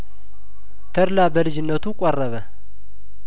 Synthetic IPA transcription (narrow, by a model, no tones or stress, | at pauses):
t̪ʰəɾlabəlɨd͡ʒɪnːət̪ukʼɔrːəβə